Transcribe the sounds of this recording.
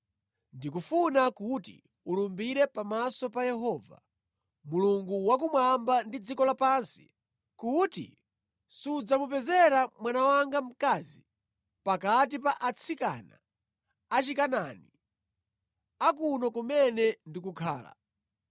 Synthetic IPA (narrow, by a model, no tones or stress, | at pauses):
ndikufunakutḭ | ulumbiɾɛpamasɔpajɛɦɔːva̰ | muluŋɡuwak̬umwambandid͡zikɔlapansi̥ | kutḭ | suud͡zamupɛzɛɾamwanawaŋɡam̩kazi | pakat̬ipaʔat͡sʰika̰na̰ː | t͡ʃikanani | akunɔkumɛnɛndik̬ukʰa̰ːla̰